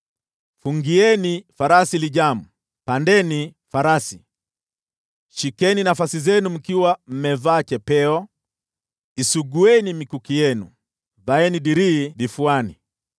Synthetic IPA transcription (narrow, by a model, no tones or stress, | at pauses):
fuŋɡiɛnifaɾasiliʄamu | pandɛni | faɾasi̥ | ʃikɛninafasizɛnum̩kiwam̩mɛvaːt͡ʃɛpɛɔ | isuɡuɛnimikukijɛnṵ | ðaɛniɗiɾiːɗifuani